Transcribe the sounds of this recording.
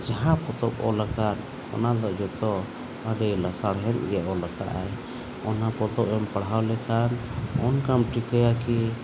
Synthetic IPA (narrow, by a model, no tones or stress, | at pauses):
d͡ʒaɦãpɔt̪ɔp̚ɔ̰lakat̪̚ | ɔ̰nad̪ɔʔd͡ʒɔt̪ɔ | aɖɛlasaɽɦɛn̚ɡɛʔɔlaka̰ʔaj | ɔnapɔt̪ɔpɛmpaɽɦawlɛkʰanɔnkamʈikʰajaki